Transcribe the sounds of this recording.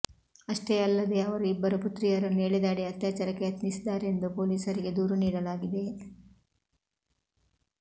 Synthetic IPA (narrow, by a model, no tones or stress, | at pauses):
ɐʂʈeɐlːɐd̪e̞ɐʋɐɾuibːɐɾuput̪ɾijɐɾɐneːɭid̪aːɽiɐt̪jaːt͡ʃɐɾɐkːeɐt̪nisid̪ːaːɾeend̪upo̞ːliːsɐɾiɡe̞d̪uːɾuniːɽɐlaːɡid̪e̞